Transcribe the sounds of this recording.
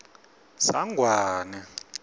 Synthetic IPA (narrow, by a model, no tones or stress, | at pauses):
sa̰ŋɡʱwaːnɛ